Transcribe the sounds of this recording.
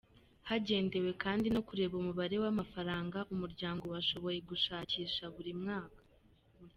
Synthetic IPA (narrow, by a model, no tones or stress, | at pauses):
haɟe̞ːnde̞we̞kaːndino̞kuɾe̞βomuβaɾe̞wamafaɾaːŋɡaʔumuɾɟaːŋɡo̞waʃo̞βo̞je̞ɡuʃaːciːʃaβuɾimŋaːkḁ